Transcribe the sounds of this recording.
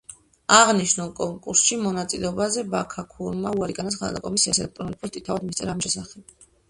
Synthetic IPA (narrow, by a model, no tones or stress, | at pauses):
aʁniʃnulˠkʼɔŋkʼuɾsʃimɔnat̪sʼilɛɔbazɛbakʰakʰuɾmauaɾiɡanat̪sχaa̰d̪a̰kʼɔmisiasɛlɛk̚t̪ʼɾɔnlikʼust̪ʼit̪ʰavad̪mist̪ʼɛɾamʃɛsaχɛb̥̚